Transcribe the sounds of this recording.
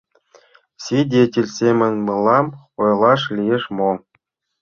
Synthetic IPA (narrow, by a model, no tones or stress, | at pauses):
sʲidʲetʲilʲsʲemʲɘ̆nʲmɯlˠɑm | ojlˠɑʂlʲijeʂmo